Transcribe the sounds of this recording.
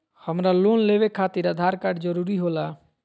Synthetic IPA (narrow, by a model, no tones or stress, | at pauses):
həmɾalonleβekʰat̪iɾəd̪ʱaɾkaɖd͡ʒəɾuɾiɦola